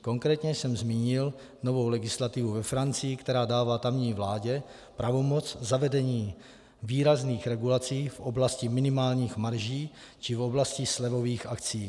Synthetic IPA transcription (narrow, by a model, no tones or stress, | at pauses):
koŋkɾɛːt̪ɲɛsɛmzmiːɲɪl | no̞vo̞wlɛɡɪslat̪ɪvuvɛfɾant͡sɪjɪkt̪ɛɾaːdaːvaːt̪amɲiːvlaːɟɛ | pɾavo̞mo̞t͡szavɛdɛɲiː | viːɾazniːxɾɛɡulat͡siːfʔoblascɪmɪnɪmaːlɲiːxmaɾʒiːt͡ʃɪfoblascɪslɛvo̞viːxakt͡siː